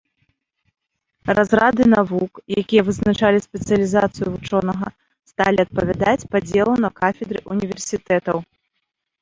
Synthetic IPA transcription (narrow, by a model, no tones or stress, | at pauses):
razɾad̪ɨnavukjakʲijɐvɨznat͡ʂalʲispʲɛt̪sɨjɐlʲizat̪sɨjuvut͡ʂɔnɐɣɐ | st̪alʲiɐt̪̚pɐvʲad̪at͡sʲpad͡zʲɛlˠɐnɐkafʲɛd̪ɾɨʔunʲivʲɛrsʲit̪ɛt̪ɐw